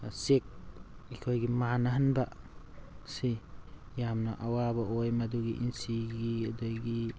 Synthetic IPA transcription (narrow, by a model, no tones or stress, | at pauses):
sek̚ikʰojɡimanaɦanba | si | jamnaʔawabaojmaduɡiʔinsiɡiadajɡi